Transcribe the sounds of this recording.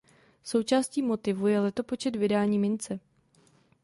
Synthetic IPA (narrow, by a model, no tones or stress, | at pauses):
so̞wt͡ʃaːsciːmo̞t̪ɪvujɛlɛt̪o̞po̞t͡ʃɛt̪vɪdaːɲiːmɪnt͡sɛ